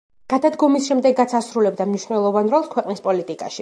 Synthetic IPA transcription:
ɡ̥ad̪ad̪ɡɔmisʃɛmd̪ɛɡːat̪sʰasɾulɛb̚d̪amniʃnɛlˠɔvanɾɔlˠskʰwɛqʼnispʼɔlit̪ʼikʼa̰ʃi

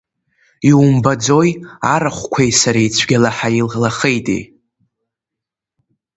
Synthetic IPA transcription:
iwumbad͡zo̞jaɾaχʷkʷʰajsaɾejt͡sʷʰɡʲalaħaillaχejtʼḛj

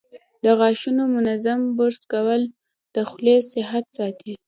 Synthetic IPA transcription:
d̪əɣɑʃunomʊnazambʊɾskawəl | d̪̥əxlesɪɦat̪sɑt̪ʰi

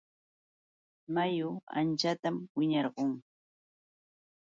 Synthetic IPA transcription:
majʊa̰nt͡ʃat̪amwɪɲɑɾɢoŋ

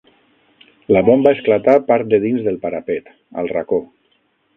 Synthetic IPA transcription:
laβombaesklat̪apaɾt̪̚d̪eðinzðəlˠpaɾapet̪ | ə̰lˠra̰ko

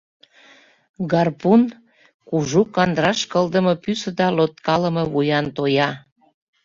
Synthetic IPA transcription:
ɡɑrpun | kuʒukɑnd̪ɾɑʃkəld̪ə̆mɤ̆pysəd̪ɑlot̪̚kɑlə̆mɤ̆βujɑnt̪ojɑ

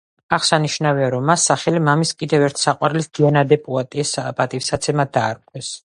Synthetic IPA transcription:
aχsaniʃnaviaɾɔmːasːaχɛlimamiskʼid̪ɛvɛɾt̪ʰsaqʼwaɾlisd̪̥ianad̪ɛpʼuat̪ʼspʼat̪ʼifsat̪sʰɛmad̪aːɾkʼwɛs

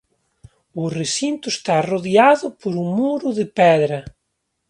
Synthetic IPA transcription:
ʊresint̪ʊest̪aroðjaðʊpoɾuŋmuɾʊðɪpɛðɾɐ

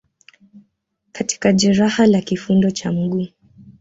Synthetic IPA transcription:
kati̥kaʄɛɾahalakifundɔt͡ʃam̩ɠuː

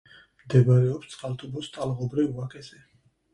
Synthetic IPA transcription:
md̪ɛbɾɛɔpst̪sʼχʼalt̪ʰubɔst̪ʰʼalˠʁɔbɾivakʰʼɛsɛ

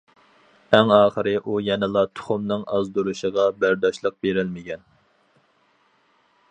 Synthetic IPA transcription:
æŋɑːχəɾɨʔujɛnɪlˠɑt̪ʰʊ̥χʊmnɨŋɑ̰zd̪uɾuʃəʁɑbæɾd̪ɑʃlˠəq̚beɾɪlmɪɡʲɛn

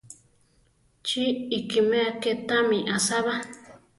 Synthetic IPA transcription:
t͡ʃiikimẽaket̪ãmĩʔasaβa

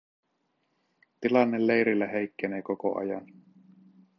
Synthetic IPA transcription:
t̪ilɑnːelːe̞jɾilːæɦe̞jkːeneːkoko̰ʔɑ̰jɑ̰n

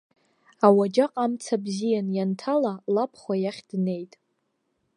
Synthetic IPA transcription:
awad͡ʒaqʼamt͡sʰabzijanjantʰalalapʰχʷwajaχʲd̥ne̞jtʼ

